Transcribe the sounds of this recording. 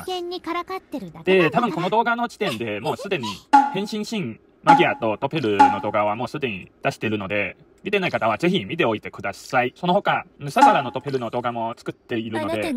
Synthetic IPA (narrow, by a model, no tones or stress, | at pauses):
kẽɲːikaɾakat̪ːeɾɯd̪̥e̞t̪abɯ̟ŋko̞no̞d̪o̞ːɡano̞d͡ʑi̥t̪ẽ̞nd̪e̞mo̞ːsɨd̪e̞ɲ̟ihẽ̞ɰ̃ɕĩɰ̃ɕĩŋ | maɡʲiat̪o̞t̪o̞pe̞ɾɯ̟no̞d̪o̞ːɡaβ̞amo̞ːsɨd̪e̞ɲ̟id̪̥aɕi̥t̪e̞ɾɯ̟no̞d̪e̞ | mʲit̪e̞naikat̪aβ̞aze̞çimʲit̪e̞o̞it̪e̞kɯ̟d̪asaiso̞no̞ho̞kasasaɾano̞t̪o̞pe̞ɾɯ̟no̞d̪o̞ːɡamo̞t͡sɨ̥kɯ̟t̪ːe̞iɾɯ̟od̪e